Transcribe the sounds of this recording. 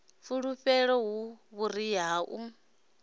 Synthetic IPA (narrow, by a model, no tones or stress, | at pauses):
fuɺuɸɛɺɔɦuβuɾiɦaːʔu